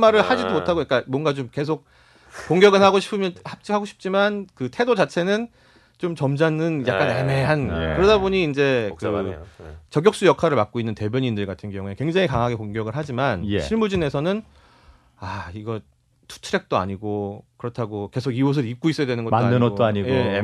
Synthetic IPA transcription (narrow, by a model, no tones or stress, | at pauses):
maɾɯɭhad͡ʑidomotʰaɡojak͈amwʌnɡat͡ɕomke̞sʰok̚ | koŋɡʲjʌɡɯɭaɡoɕʰi̥pʰɯmjʌhap̚t͡ɕ͈ihaɡoɕʰi̥p̚t͡ɕ͈imankɯtʰe̞dod͡ʑat͡ɕʰe̞nɯn | t͡ɕomt͡ɕʌmd͡ʑanɯnja̰kk͈aneme̞ɦan̰kɯɾʌdaboɲiːnd͡ʑe̞kɯ | t͡ɕʌɡjʌk̚s͈ujʌkʰaɾɯɭmak͈̚oinːɯnte̞bjʌɲindɯɭɡatʰɯnɡjʌŋue̞kwe̞ŋd͡ʑaŋikaŋɦaɡekoŋɡjʌɡɯɭɦad͡ʑiman̰ɕʰiɭmud͡ʑine̞sʰʌnɯn | aiɡʌ | tʰu̥tʰɯɾe̞k̚t͈oa̰ɲiɡokɯɾʌtʰaɡoke̞sʰoɡios̬ʰɯɾik̚k͈ois͈ʌjadwenɯnɡʌtaɯnott͈oaɲije